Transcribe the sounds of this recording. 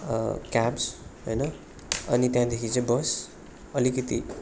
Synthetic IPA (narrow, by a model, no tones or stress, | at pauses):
kabsɦojnʌ | ʌ̰nit̪jãd̪ekʰit͡sʌ̃j̃bʌs | ʌlikʌt̪i